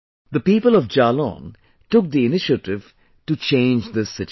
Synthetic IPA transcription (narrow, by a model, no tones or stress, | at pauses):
d̪əpiːpəlɔvd͡ʒalɔ̰̃ːn | ʈʊk̚d̪iɪnɪʃəʈɪv̥ | ʈut͡ʃẽɪ̃nd͡ʒd̪ɪsːɪt͡ʃ